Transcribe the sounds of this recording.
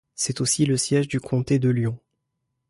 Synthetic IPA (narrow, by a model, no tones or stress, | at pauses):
sɛt̪osiləsjɛʒd̪ykʰɔ̃t̪ed̪əljɔ̃